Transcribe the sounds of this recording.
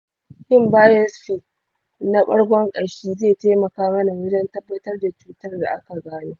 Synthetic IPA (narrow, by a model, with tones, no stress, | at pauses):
hɪ˦mbaː˦jɛ˦sɸi˦˨ | na˦ɓɐ̰˦ɽɡʷɔ˦ŋkʼɐ˨ɽʃiː˦zeː˦˨teː˦mɐ˨kaː˦mɐ˦na˨wɪ˦dɐ˦ntɐ˦bːɐ˦tɐ˦rda˨t͡ʃuː˦tɐ˦rda̰˨ʔa˦ka˨ɡaː˦neː˦